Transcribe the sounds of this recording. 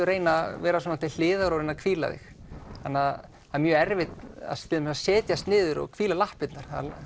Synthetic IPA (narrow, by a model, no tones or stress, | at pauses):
ʏɾeːjnavɛːɾasɔnːat̪ʰɪl̥ɪːðaɣɾaɾɪnakʰviːla̰ðɪ̰x | hanːað | hamjœːɛɾvɪt̪na̰st̪ʰɪlmsasɛːt̪jast̪nɪːðʏɾɔ̰ɣkʰviːlalahpɪt̪naɾ̥θa̰ð